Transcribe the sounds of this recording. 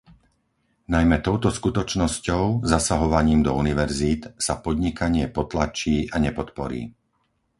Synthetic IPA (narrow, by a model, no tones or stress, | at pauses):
najmɛt̪ɔʊt̪ɔskut̪ɔt͡ʃnɔscɔʊzasaɦɔʋaɲiːmd̪ɔuniʋɛɾziːt̪sapɔd̪ɲikaɲɪɛpɔt̪lat͡ʃiːʔaɲɛpɔt̪pɔ̰ɾḭː